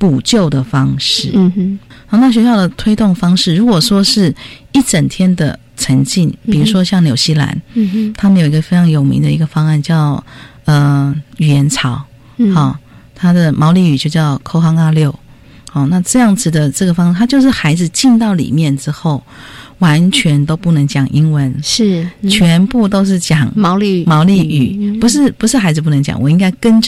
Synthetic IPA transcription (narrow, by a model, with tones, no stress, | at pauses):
pu˨˩t͡ɕjo˥˩ʊd̪ə˩fɑ˥ŋʂɻ̩˥˨˩ | ɔ˥˧na˥˩ɕɥɛ˧˥ɕjɑ˥˩ʊd̪ə˩t̪ʰwe˥ɪt̪ʊ˥˩ŋfɑ˥ŋʂɻ̩˥˩ɻu˧˥kwɔ˨˩ʂwɔ˥ʂɻ̩˥˩i˥˩ʈ͡ʂə˨˩nt̪ʰjɛ˥nd̪ə̰˨ | ʈ͡ʂʰə˧˥ŋt͡ɕi˥˩npi˨˩ɻu˧˥ʂwɔ˥ɕjɑ˥˩ŋnjo˨˩ʊɕi˥˩la̰˧˥nt̪ʰa˥mə˧˥jo˨˩i˦ɡə˧fe˥ɪʈ͡ʂʰɑ˧˥ŋjo˨˩ʊmḭ˧˥ŋd̪ə˨i˧˥ɡə˧fɑ˥ŋa˥˧nt͡ɕjɑ˥˩ʊ | ə˨y˨˩jɛ˧˥nt͡sʰɑ˧˥ʊ | xɔ˥˩ | t̪ʰa˥d̪ə˨mɑ˧˥ʊli˥˩y˨˩t͡ɕjo˥˧ʊt͡ɕjɑ˥˩ʊkʰo˥ʊxɑ˥ŋa˥ljo˥˩ʊ | hɑ˥˧na˥˧ʈ͡ʂɤ˥˧jɑ˥˩ŋd͡zɹ̩˨˩d̪ə˩ʈ͡ʂɤ˥˩ɡə˩fɑ˥ŋ̩˨˧t̪ʰa˥t͡ɕjo˥˧ʊʂ̬ɻ̩˥˩xa˧˥ɪd͡zɹ̩˧t͡ɕi˥˧nt̪ɑ˥˩ʊlḭ˨˩mjɛ˥˩nʈ͡ʂɻ̩˥xo˥˩ʊwa˧˥nt͡ɕʰɥɛ˧˥nt̪o˥ʊpu˥˩nə˧˥ŋt͡ɕjɑ˨˩ŋʔi˥ŋwə˧˥n̩˥˩ | t͡ɕʰɥɛ˧˥npu˥˩t̪o˥ʊʂ̬ɻ̩˥˩t͡ɕjɑ˨˩˦ŋ˧˥˧mɑ˧˥ʊli˥˩y˨˩pu˧˥ʂ̬ɻ̩˥˩pu˧˥ʂɻ̩˥˩xa˧˥ɪd͡zɹ̩˧p̬u˥˩nə˧˥ŋt͡ɕjɑ̰˨˩ŋwɔ˨˩i˥ŋka˥ɪkə˥n